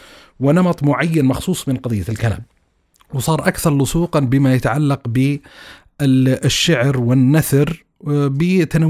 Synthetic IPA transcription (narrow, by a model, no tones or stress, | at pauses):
wɪnɑmɑt̪ˤmʊʕajːanmɑxsˤuːsˤmɪnqɑðˤɪjːalkala̰ːm | wsˤɑːɾˤʔakθɑɾˤlʊsˤuːqɑnbɪmajat̪aʕalːɑqbɪ | ʃːaʕɾwɪnːaθɾ | bɪt̪ana